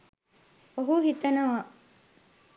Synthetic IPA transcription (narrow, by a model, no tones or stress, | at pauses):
oɦuɦit̪ɐnɐʋaː